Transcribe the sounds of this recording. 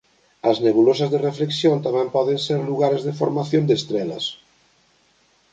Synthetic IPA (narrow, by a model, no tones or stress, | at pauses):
ɐzneβulosazðerefleksjõnt̪amɛ̃mpɔðẽnseɾluɣ̞aɾezðefoɾmaθjõnd̪est̪ɾelɐ̰s